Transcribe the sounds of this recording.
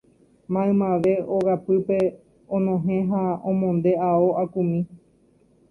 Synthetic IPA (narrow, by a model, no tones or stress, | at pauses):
mãẽmãʋe̞oɡapɨpe̞ | õnõɦẽɦaõmõnd̪e̞aoʔakumĩ